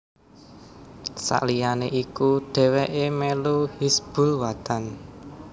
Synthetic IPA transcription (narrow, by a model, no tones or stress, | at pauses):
sa̰ʔlijaneʔikud̥ɛ̤weʔemeluhisb̥ṳlwad̪an